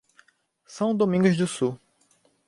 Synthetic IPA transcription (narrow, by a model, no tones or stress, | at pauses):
sɐ̃w̃d̪omĩɡʊzd̪ʊsu